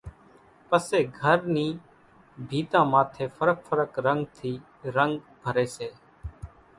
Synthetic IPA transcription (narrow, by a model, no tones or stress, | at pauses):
pəseːɡʱəɾnĩː | bʱiːt̪ãːmaːt̪ʰeːfʰəɾək̚fʰəɾəkɾəŋɡt̪ʰiː | ɾəŋɡ | bʱəɾeːseː